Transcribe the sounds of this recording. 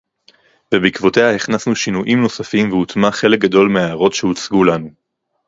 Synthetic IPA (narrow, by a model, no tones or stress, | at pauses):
vebikvo̞te̞hahiχnasnuʃinuʔimno̞safimveutmaχe̞lek̚ɡado̞lmeaːʁo̞tʃeut͡sɡulanu